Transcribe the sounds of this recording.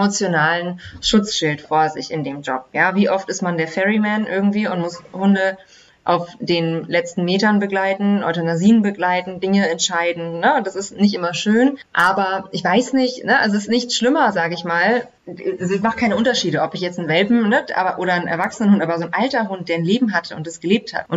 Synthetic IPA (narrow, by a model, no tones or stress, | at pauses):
mot͡sjonaːlənʃʊt͡sʃɪltfoːɐzɪ̰çɪndeːmd͡ʒɔ̰p̚jaːviːʔɔftɪstmandeːɐfɛʁimɛnʔɪɐɡŋ̩tv̥iːʊntmʊshʊndə | ʔa̰ʊfd̥eːnlɛt͡stn̩meːtɐnbəɡlaɪtn̩ʔɔ̰tanaziːnbəɡlaɪtn̩dɪŋəɛntʃaɪdn̩nəʊtd̥asɪstnɪç̬tʔɪmɐʃøːnʔaːbɐʔɪçv̥aɪsnɪçtnəʔalzoɪstnɪçt͡sʃlɪmɐzaːɡəɪçmaːl | azoɪçmaχəkʰaɪnəʊntɐʃiːɾəʔɔpɪçjɛt͡sn̩vɛlbm̩nəʔa̰ːbɐʔoːɾɐnʔɛ̰ɐvaksənənhʊntʔaːbɐzoːnʔaltɐɦʊnt̚d̥eːɐnleːbm̩ɦatʰəʊ̰ntd̥asɡ̥əleːp̚tha̰tʔʊnt